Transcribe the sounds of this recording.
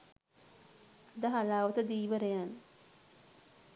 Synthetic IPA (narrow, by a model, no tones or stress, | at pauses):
d̪əɦalaːʋət̪əd̪iːʋəɾejan